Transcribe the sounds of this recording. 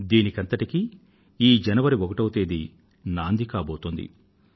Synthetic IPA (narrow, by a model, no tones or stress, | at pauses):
d̪iːnikɐnt̪ɐʈiki | iːd͡ʒɐnɐʋɐɾiɔkɐʈɐwut̪eːd̪i | naːnd̪ikaːboːt̪ond̪ḭ